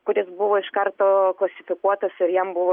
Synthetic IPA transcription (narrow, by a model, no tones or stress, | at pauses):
kʊɾʲɪsbʊʋoːɪʃkɐɾt̪oːklˠɐsʲɪfʲɪkuɔt̪ɐsɪɾjɛmbʊʋoː